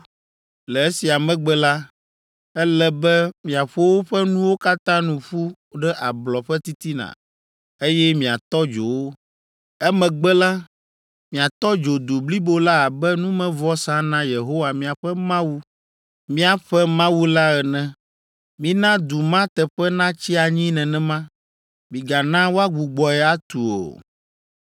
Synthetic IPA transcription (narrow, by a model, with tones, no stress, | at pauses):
lɛ˨ɛ˦si˨a˨mɛ̃˦ɡ͡bɛ˦la˦ | ɛ˦lɛ˦bɛ˦mĩ˨a˨ɸo˦wo˦ɸɛ˦nũ˦wo˦ka˦t̪ã˦nũ˨ɸu˦ | ɖɛ˦ʔa˨blɔ˨ɸɛ˦t̪i˦t̪i˦nã̰˨ | e˦jɛ˦mĩ˨a˨t̪ɔ˦d͡ʒo˨wo˦ | ɛ˦mɛ̃˨ɡ͡bɛ˦la˦ | mĩ˨a˨t̪ɔ˦d͡ʒo˨d̪u˨bli˦bo˦la˦a˨bɛ˦nũ˦mɛ̃˦vɔ˦sã˦nã˦je˨ɦo˦wa˨mĩ˨a˨ɸɛ˦mã˦wu˦ | mĩ˦a˨ɸɛ˦mã˦wu˦la˦ɛ˨nɛ̃˨ | mĩ˨nã˦d̪u˨mã˦t̪ɛ˨ɸɛ˦nã˦t͡ɕi˦a˨ɲĩ˦nɛ̃˨nɛ̃˨mã˦ | mĩ˨ɡa˨nã˦wo˦a˦ɡ͡bu˨ɡ͡bɔ˨ɛ˨a˦t̪u˨o̰˨